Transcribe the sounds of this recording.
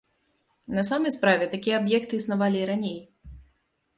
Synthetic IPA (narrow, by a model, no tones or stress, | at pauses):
nɐsamɐjspɾavʲɛt̪akʲijɛabjɛkt̪ɨisnavalʲiɾanʲej